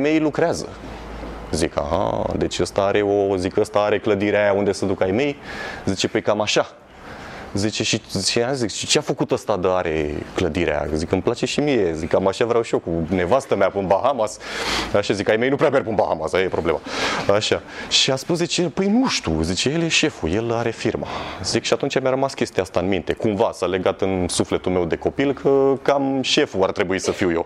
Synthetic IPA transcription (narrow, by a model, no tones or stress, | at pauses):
jme̞jlukɾeazə̰ | zika̰ɦa̰d̪e̞t͡ʃʲəst̪aaɾe̞ozikəst̪aaɾe̞kləd̪iɾeajaund̪esəd̪ukajme̞jzit͡ʃe̞pəjkamaʃa | zit͡ʃe̞ʃizit͡ʃeazikʃi̥t͡ʃeafəkut̪əst̪ad̪əaɾʔe̞̰kləd̪iɾḛa̰ja̰zikəmplat͡ʃe̞ʃimije̞zikamaʃavɾawʃijokune̞vast̪əmeapunbaɦamasaʃazikajmejnupɾeaperpunbaha̰masaəjepɾo̞ble̞ma̰aʃaʃiaspus̬d̪it͡ʃepəjnuʃt̪ṵzit͡ʃejeljeʃe̞fuje̞laɾe̞firma̰zikʃiat̪unt͡ʃamʲjaɾəmaskʲe̞st̪iast̪aɨnmĩnt̪e̞kumvasale̞ɡat̪ɨnsufle̞t̪ulme̞wd̪e̞ko̞pilkʰəkamʃe̞fuart̪ɾe̞buisəfiwjo